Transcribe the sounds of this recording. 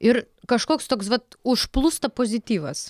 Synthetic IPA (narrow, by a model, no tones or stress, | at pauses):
ɪɾ | kɐʃkoːkst̪oːksʋɐt̪̚ʊʃplˠust̪ɐpoːzʲɪt̪ʲiːʋɐs